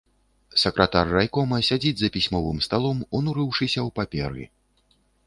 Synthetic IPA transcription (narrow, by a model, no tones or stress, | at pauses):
sɐkɾɐt̪arːajkɔmɐsʲad͡zʲid͡zʲzɐpʲisʲmɔvɨmst̪alˠɔmunuɾɨwʂɨsʲɐwpapʲɛ̰ɾɨ̰